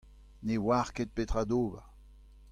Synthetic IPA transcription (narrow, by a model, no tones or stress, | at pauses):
newaːʁket̪̚pet̪ʁad̪oːba̰